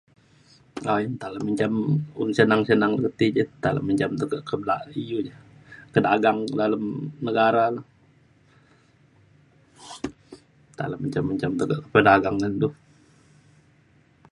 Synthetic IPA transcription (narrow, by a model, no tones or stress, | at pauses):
aint̪alaməɲt͡ʃamunsənaŋsənaŋdəkət̪id͡ʒət̪ala̰məɲt͡ʃamt̪əkəʔkəblaʔijud͡ʒakədaɡaŋdalamnəɡaɾala | t̪a̰laməɲt͡ʃaməɲt͡ʃamt̪əɡəʔəpədaɡaŋland̪ʊh